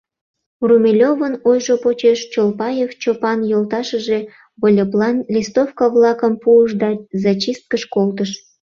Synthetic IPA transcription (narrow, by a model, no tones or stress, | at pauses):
rumʲelʲovənojʒopot͡ɕeʃt͡ɕolpɑjeft͡ɕopɑnjolt̪ɑʃəʒe̽ | βolʲeplɑnlʲist̪ofkɑβlɑkəmpuəʃd̪ɑzɑt͡ɕist̪̚kəʃkolt̪əʃ